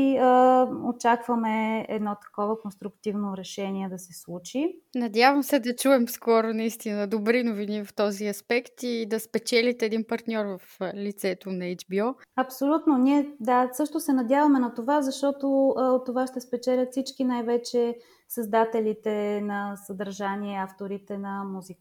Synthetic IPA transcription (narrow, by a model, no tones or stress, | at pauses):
i | ot͡ʃakvəmɛɛ̰d̪nɔt̪ɐ̥kɔvəkonst̪ɾʊkt̪ivnoɾɛʃɛniɛd̪ɐsɛslˠut͡ʃinɐd̪ʲjavəmsɛd̪ɐt͡ʃuɛmskɔɾonɐist̪inəɐd̪obɾinovinivɐft̪ɔziɐspɛkt̪id̪ɐspɛt͡ʃɛlʲit̪ɛːd̪inpɐɾt̪nʲɔɾvɐflit̪sɛt̪onɐɛd͡ʒbiɔɐpsolʲut̪noniɛd̪asɤʃt̪osɛnɐd̪ʲjavɐmɛnɐt̪ovazɐʃt̪ɔt̪oot̪ːovaʃt̪ɛspɛt͡ʃɛlʲət̪fsit͡ʃkinajvɛt͡ʃɛ | sɐzd̪at̪ɛlʲit̪ɛnɐsəd̪ɐɾʒaniɛaft̪oɾit̪ɛnɐmuzik